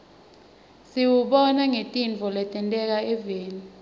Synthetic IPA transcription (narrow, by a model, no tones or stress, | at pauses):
siwuɓɔnaŋetʼinvʱɔlɛtʼɛntʼɛk̬aɛveːni